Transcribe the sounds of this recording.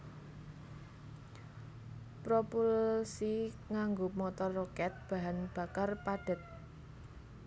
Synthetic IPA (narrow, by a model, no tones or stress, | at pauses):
pɾopulsi | ŋaŋɡomɔt̪ɔrːɔkɛt̪̚b̥ä̤ɦanb̥a̤karpaɖ̥ə̤t̪̚